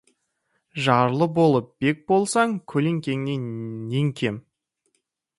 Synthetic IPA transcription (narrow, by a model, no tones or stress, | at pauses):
ʒɑɾlˠəbo̞lˠəp̚b̥e̞k̚bo̞lˠsɑŋkʲʰɵle̞ŋkʲe̞ŋne̞ne̞ŋkʲʰe̞m